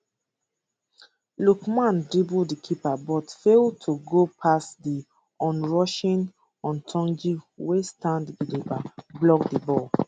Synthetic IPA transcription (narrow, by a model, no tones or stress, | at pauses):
lukmãndibudikʰipabɔtfeltʰuɡopʰasdi | ɔ̃nɹɔʃĩn | ɔ̃ntʰɔ̃nd͡ʒiwestãnddilipablɔkdibɔl